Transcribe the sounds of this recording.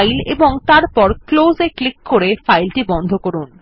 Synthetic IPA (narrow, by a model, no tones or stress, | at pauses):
jleboŋt̪aɾpɔɾklozeklikːoɾefajlʈibɔnd̪ʱokoɾun